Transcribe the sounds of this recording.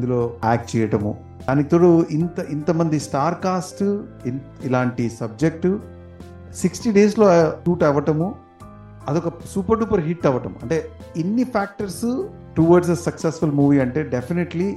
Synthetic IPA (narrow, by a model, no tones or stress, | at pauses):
d̪uloːaːk̚t͡ʃɛːjɐʈɐmṵ | d̪aːnikt̪oːɽuint̪ɐʔint̪ɐmɐnd̪isʈaːɾkaːsʈ̪ | ilaːɳʈisɐb̚d͡ʒek̚ʈu | siksʈiɖeːs̬lo̞ːʈuːʈɛʋɐʈɐmu | ɐd̪ɔkɐsuːpɐɾɖuːpɐɾɦiʈːɛʋɐʈɐmuɐɳʈe̞ː | enːipʰaːk̚ʈɐɾs | ʈuʋɐɾɖsɐsɐksesfulmuːʋiːɐɳʈe̞ːɖepʰineʈli